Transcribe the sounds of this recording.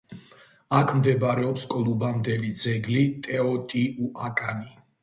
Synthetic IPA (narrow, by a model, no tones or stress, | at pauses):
akʰmd̪ɛbɾɛɔpskʼɔlˠubamd̪ɛlid̪zɛɡlit̪ʼɛɔt̪ʼiuʔakʼani